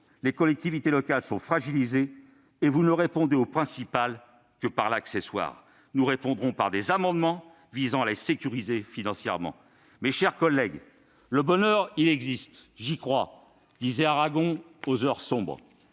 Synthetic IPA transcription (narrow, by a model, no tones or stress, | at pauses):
lekɔlɛk̚t̪ivit̪elɔkalsɔ̃fχaʒilizeː | vunəʁepɔ̃d̪eopχɛ̃sipal | kəpaʁlaksɛswa̰ːʁ | nuʁepɔ̃d̪ʁɔ̃pa̰ʁd̪ezamɑ̃d̪mɑ̃ | vizɑ̃alesekʲyʁizefinɑ̃sjɛ̰ʁmɑ̰̃ | meʃɛʁkɔlːɛɡ | ləbɔnœʁilɛɡzist̪ʒikχwa | d̪̥izɛaʁaɡɔ̃ | ozœʁsɔ̃bʁ